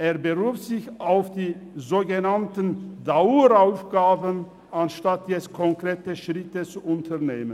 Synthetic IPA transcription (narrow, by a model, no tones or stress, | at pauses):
ʔeːɐbəʁuːfz̥ɪçaʊfd̥iːzoːɡənantəndauɾaʊfɡ̥aːbən | anʃtatʰjɛt͡sst̚kʰɔŋkʁ̥eːtəʃʁ̥ɪtət͡suʔʊntʰɐʁneːmən